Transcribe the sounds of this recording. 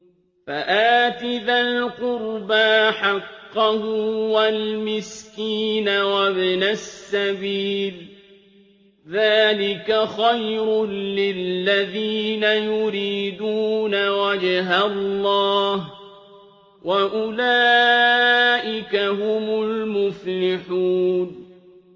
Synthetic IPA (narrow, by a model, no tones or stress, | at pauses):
faʔaːt̪ɪðalqʊɾbaħɑqːɑhʊwalmɪskiːnawabnasːabiːl | ðaːlɪkaxajɾʊlɪlːaðiːnajʊɾiːd̪uːnawad͡ʒɦalːɑːh | wʔaʔʊlaː | ʔɪkaɦʊmʊlmʊflɪħuːn